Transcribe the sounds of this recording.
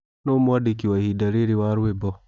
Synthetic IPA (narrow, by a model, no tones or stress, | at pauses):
nomuwadikiwahidaɾiɾiwaɾwebɔ